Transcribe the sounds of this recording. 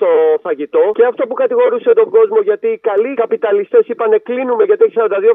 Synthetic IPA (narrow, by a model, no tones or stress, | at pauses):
t̪o̞θɐʝit̪o̞ceɐft̪o̞pukɐt̪iɣo̞ɾuset̪o̞ŋɡo̞zmo̞ʝɐt̪iːkɐlikɐpit̪ɐlist̪e̞sipɐne̞klinumeʝɐt̪içis̬ɐɾɐnd̪ɐðio̞